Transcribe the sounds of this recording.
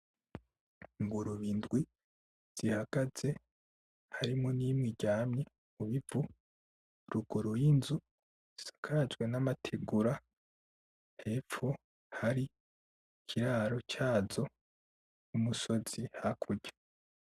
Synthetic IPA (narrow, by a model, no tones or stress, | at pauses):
ŋɡuɾuβiːndɡwi | z̥ihaɡ̥az̥e | haɾimŋoniːmŋiɟaːmɲe | uβivu | ɾuɡuɾujinzu | isḁkʰaad͡ʒɡwe̞namatʰeɡuɾa | he̞ːfo | haɾi | kʰiɾaːɾo̞t͡ʃaːzo̞ | umuso̞z̥ihakʰuɟḁ